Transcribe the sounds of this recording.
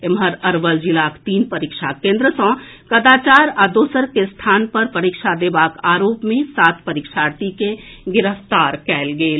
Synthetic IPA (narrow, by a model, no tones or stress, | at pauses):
emɦəɾəɾʋəld͡ʒilakt̪iːnpəɾikʃʰakẽnd̪ɾəsə̃ | kəd̪at͡ʃaɾad̪oːsəɾkest̪ʰaːnpəɾpəɾikʃʰad̪ebakaːɾoːpmẽsaːt̪pəɾikʃʰaɾt̪ikeɡɪɾəft̪aːɾkɛːlɡeːl